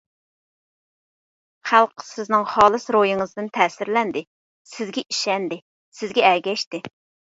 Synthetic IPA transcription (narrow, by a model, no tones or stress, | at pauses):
χælˠqʰə̥sɪznɪŋχɑːlˠɨsɾojɪŋəzd̪ɪnt̪ʰɛːsɪɾlɛnd̪ɪ | sɪzɡʲɛʔiʃɛnd̪ɪ | sɪzɡʲɛɛɾɡʲɛʃt̪ɪ